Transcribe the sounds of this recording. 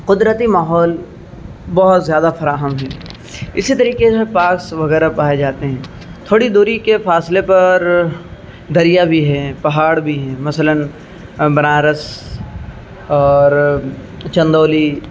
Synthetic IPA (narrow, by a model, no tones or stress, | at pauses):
qʊd̪ɾət̪imaːɦɔːl | bɔɦʊt̪zjaːd̪afɐɾaːɦəmɦɛː | ɪsit̪ɐɾiːqesepaːksʋɐɡɛːɾapaːed͡ʒaːt̪eɦɛ̃ː | t̪ʰoːɽid̪uːɾikefaːslepɐɾ | d̪ɐɾijabʱiɦɛːpɐɦaːɽbʱiɦɛ̃ːmɐsələn | bɐnaːɾəs | ɔːɾ | t͡ʃɐ̃nd̪oːli